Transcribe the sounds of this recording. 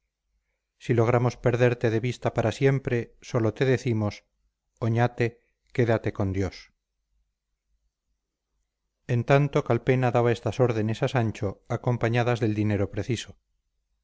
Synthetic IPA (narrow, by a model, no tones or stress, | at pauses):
silo̞ɣ̞ɾamo̞spe̞ɾðe̞ɾt̪e̞ðe̞βist̪apaɾasje̞mpɾe̞so̞lo̞t̪e̞ðe̞θimo̞s | oɲat̪e̞ | ke̞ðat̪e̞ko̞nd̪jo̞s | e̞nt̪ant̪okalpe̞naðaβaest̪aso̞ɾðe̞ne̞sasaɲt͡ʃo̞ako̞mpaɲaðazðe̞ld̪ine̞ɾopɾe̞θiso̞